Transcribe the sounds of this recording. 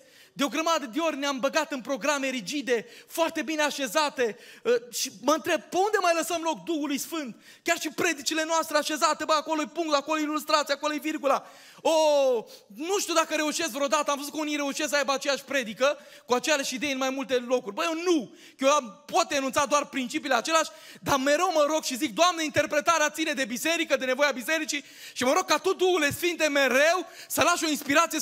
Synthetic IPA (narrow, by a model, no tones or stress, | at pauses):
d̪eo̞ɡɾəmad̪əd̪eo̞rʲneambəɡat̪ɨnpɾo̞ɡɾame̞ɾid͡ʒid̪e̞foart̪e̞bine̞aʃe̞zat̪e̞əʃiməɨnt̪ɾe̞b̚peund̪e̞majləsəmlo̞k̚d̪uhulujsfɨnt̪ | kʲarʃipɾe̞d̪it͡ʃile̞noast̪ɾeaʃe̞zat̪e̞bəako̞loepuŋkt̪ako̞loilust̪ɾat̪siako̞lojevirɡula | o | nuʃt̪iud̪akəɾe̞uʃe̞sk̪vɾeod̪at̪əamvəzutkəunijɾe̞uʃes̬sajbəat͡ʃe̞jaʃʲpɾe̞d̪ikə | kuat͡ʃejaʃid̪e̞jeɨnmajmult̪e̞lo̞kurʲbəjewnu | jeampo̞t̪̚d̪enunt̪sad̪oarpɾint͡ʃipiːleat͡ʃe̞leaʃʲd̪ame̞ɾe̞wməɾo̞ɡʃizik̚d̪oamneint̪e̞rpɾe̞t̪aɾeat̪sine̞d̪e̞bise̞ɾikəd̪e̞ne̞vo̞jabise̞ɾit͡ʃi | ʃiməɾo̞ɡ̚kːat̪ud̪uule̞sfint̪e̞me̞ɾe̞wsəlaʃo̞inspiɾat̪sie